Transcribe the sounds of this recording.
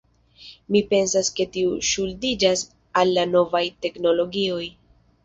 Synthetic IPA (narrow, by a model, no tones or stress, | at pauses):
mipe̞nsaske̞tiuʃuldid͡ʒas | alːano̞vajte̞kno̞lo̞ɡio̞j